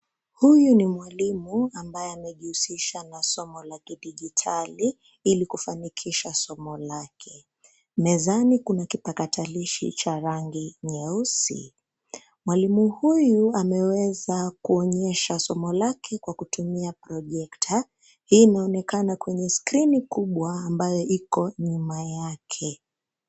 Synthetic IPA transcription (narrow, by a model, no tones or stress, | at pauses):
hujunimwalimuambajɛamɛʄihusiʃanasɔmɔlakiɗiʄitʰali | ilikufanikʰiʃasɔmɔlakʰɛ | mɛzanikunakipakatʰaliʃḭt͡ʃaɾaŋɡiɲɛusḭ | mwalimuhujuamɛwɛzakuɔɲɛʃasɔmɔlakʰɛkwakutumiapɾɔʄɛktʰa | hiːnaɔnɛkanakwɛɲɛskɾinikuɓwaːmbajɔʔikɔɲumajakʰɛ